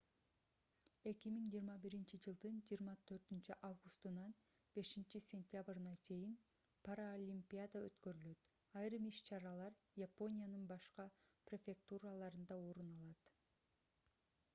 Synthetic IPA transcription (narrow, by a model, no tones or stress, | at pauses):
e̞kimiŋd͡ʒijːɾmɑbiɾint͡ʃid͡ʒɯlˠd̪ɯnd͡ʒijːɾmɑt̪ʰø̞ɾt̪ynt͡ʃyʔavɡust̪ɯnɑn | b̥e̞ʃint͡ʃisʲe̞nʲt̪ʲjabrɯnɑt͡ʃʰe̞jin | paɾaolʲimpʲiad̪aøt̪køɾylø̞t̪ | ɑjɾɯmiʃt͡ʃʰɑɾɑlˠɑɾjapo̞nʲijanɯnbɑʃqɑprʲe̞fʲe̞k̚t̪uralˠɑɾɯnd̪ɑo̞ɾunɑlˠɑt̪